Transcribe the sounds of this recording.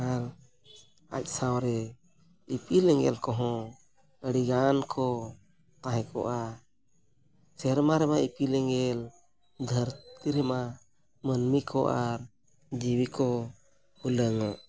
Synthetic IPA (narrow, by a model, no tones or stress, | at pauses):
al | a̰c̚sawɾɛ | ipilɛŋɡɛ̰lkɔɦɔ̃ | əɽiɡankʰɔ | t̪ãɦɛ̃kɔ̰ʔa | sɛɾmaɾɛmaipilɛŋɡɛl | d̪ʱəɾtt̪iɾɛma | mənmikʰɔʔaɾ | d͡ʒiwikɔ | huləŋaʔ